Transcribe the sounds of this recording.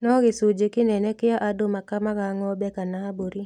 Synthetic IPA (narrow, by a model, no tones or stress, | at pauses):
nɔɡɪsud͡ʒekɪnɛnɛkɪjaʔadomakamaɣaŋɔbɛkanaboɾi